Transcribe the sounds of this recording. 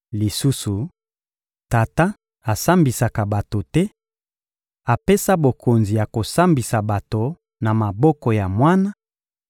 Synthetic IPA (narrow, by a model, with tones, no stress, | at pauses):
li˨su˦su˨ | ta˨ta˦ | a˨sa˦mbi˨sa˨ka˨ba˨to˨tɛ˦ | a˨pe˦sa˦bo˨kʰo˨nzi˨ja˨ko˨sa˦mbi˨sa˨ba˨to˨ | na˨ma˨bɔ˦kɔ˨ja˨mwa˦na˦